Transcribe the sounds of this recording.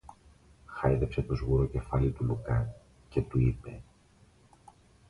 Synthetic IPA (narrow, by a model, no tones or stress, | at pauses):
xɐiðe̞pse̞t̪ozɣuɾo̞ce̞fɐlit̪ulukɐ | ce̞t̪uipe̞